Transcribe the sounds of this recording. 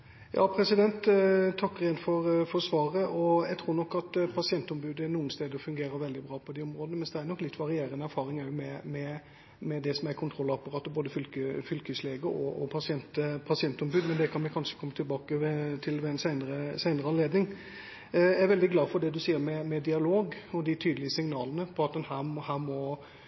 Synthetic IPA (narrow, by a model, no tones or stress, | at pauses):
jʔɑ̰ːpʰɾɛsɪd̪ɛnt̪ʰːɑkːɾeːnfɔɾfɔɾsʋɑːɾəʔɔjæɡt̪ʰɾuːɾnɔkːɑt̪pʰɑsɪɛnt̪ɔmbʉːd̪əænuːənst̪eːd̪əɾɔfʉŋɡeːɾəɾʋɛld̪ɪbɾɑːpʰɔd̪ɛɔmɾoːd̪ənəmɛnsd̪ɛæːɾnɔkːlɪt̪ːʋɑɾɪeːɾənəæɾfɑːɾɪŋæʊmɛmɛ | mɛd̪ɛsɔmæɾkʰʊnt̪ʰɾɔlːɑpɑɾɑːt̪ːɔboːd̪əfʏlkəfʏlkʉsleːɡəɔʔɔpʰɑsɪɛnt̪pʰɑsɪɛnt̪ɔmbʉːd̪mɛnd̪ɛkʰɑnʋɪkʰɑnʂə̥kʰɔmːət̪ʰɪlbɑːkəʋɛt̪ʰɪlʋɛɛnsæɪnəɾəsæɪnəɾəɑnleːd̪nɪŋ | jææɾʋɛld̪ɪɡlɑːfɔd̪ɛd̪ʉsiːəɾmɛmɛd̪ɪɑloːɡɔd̪ɪt̪ʰyːd̪əlɪəsɪŋnɑːlənəpʰɔɑt̪̚d̪ɛnhæːhæːɾmɔ